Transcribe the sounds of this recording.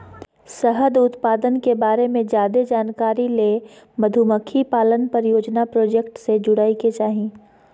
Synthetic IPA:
səɦəd̪ʊt̪paːd̪ənkebaːɾemẽd͡ʒjaːd̪ed͡ʒaːnkaːɾileː | məd̪ʱuməkʰːipaːlənpɐɾjoːd͡ʒnapɾoːd͡ʒekʈsed͡ʒʊɽaːiket͡ʃaːɦĩ

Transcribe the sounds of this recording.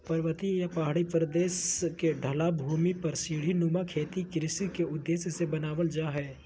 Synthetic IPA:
pɐɾəʋət̪ijapaɦaɽipɾəd̪eːskeɖʱɐlabʱuːmipɐɾsiːɽ̤inumakʰeːt̪ikɾɪsikeʊd̪ːeːsjəsebɐnaːʋəld͡ʒaːɦɛː

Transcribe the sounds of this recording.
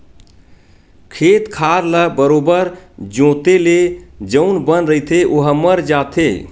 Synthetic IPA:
kʰet̪kʰaɾləbəɾobəɾd͡ʒõt̪eled͡ʒəʊnbənɾəit̪ʰeʔoɦəməɾd͡ʒat̪ʰḛ

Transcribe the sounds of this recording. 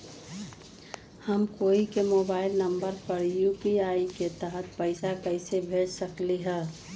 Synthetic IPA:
həmkoːikemoːbaːɪlnəmbəɾpəɾjuːpiaːiket̪əɦət̪pəɪsakəɪsebʱeːʈsəkliɦɛ̃ː

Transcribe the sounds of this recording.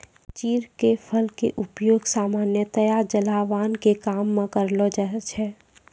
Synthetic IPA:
t͡ʃiːɾkepʰəlkeʔʊpjoːɡsaːmaːnjət̪əjad͡ʒəlaːʋaːnkekaːmːẽkəɾlɔd͡ʒat͡ʃʰɛ

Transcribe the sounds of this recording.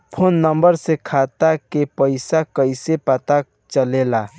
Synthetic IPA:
pʰonːəmbəɾsekʰat̪akepəɪsakəɪsepət̪a | t͡ʃəlela

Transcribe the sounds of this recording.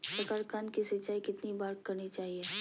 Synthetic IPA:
pɾɐkaːɾkankisɪt͡ʃaːikɪt̪nibaːɾkɐɾnit͡ʃaːɦieː

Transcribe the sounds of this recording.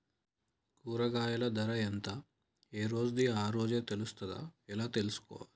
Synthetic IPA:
kuːɾɐɡaːjɐlɐd̪ɐɾɐent̪aː | eːɾo̞ːd͡ʒud̪iaːɾo̞ːd͡ʒe̞ːt̪e̞lust̪ɐd̪a̰ːɛlaːt̪e̞lusu̥kɔ̰ːʋa̰ːɾi

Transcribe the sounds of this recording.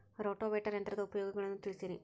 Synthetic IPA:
ɾo̞ːʈːoːʋeːʈːɐɾend̪ɾɐðɐupɐjo̞ːɡɐɣɐɭenːumt̪ilsɐɾḭ

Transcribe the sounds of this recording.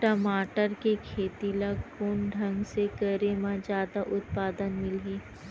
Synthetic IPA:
ʈəmaːʈəɾkekʰeːt̪ilakoːnɖʱɐ̃ŋɡsekəɾemãd͡ʒjaːd̪aʔʊt̪̚paːd̪ənmɪleː

